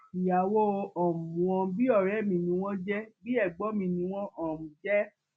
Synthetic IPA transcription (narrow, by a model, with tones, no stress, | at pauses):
i˨ja˨wo˦˧ɔ˨m˨wɔ̃˧bi˦ɔ˦˨ɾɛ˨˦˨mĩ˧nĩ˧˦w̃ɔ̃˦d͡ʒɛ˦bi˦ɛ˦˨ɡ͡bɔ˨˦mĩ˧˦nĩ˧w̃ɔ̃˦ʔɔ˨mũ˨d͡ʒɛ˦